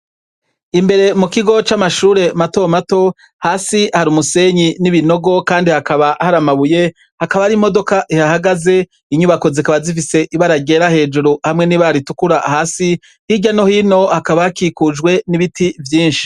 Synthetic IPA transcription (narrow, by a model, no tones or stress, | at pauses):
imbe̞ɾe̞mukiɡo̞t͡ʃamaʃuːɾe̞mato̞mato̞ | haːsihaɾumuse̞ɲiniβino̞ɡo̞kaːndihakaβahaɾamaβuje̞ | hakaβaɾimo̞do̞kaʔihahaɡaze̞ | iɲuβako̞zikaβazif̬ise̞ʔiβaɾaɡe̞ɾahe̞ːd͡ʒuɾuhamŋe̞niβaɾitukuɾahaːsi | hiɟano̞hino̞hakaβaakikud͡ʒɡwe̞niβitʰivjiːnʃi̥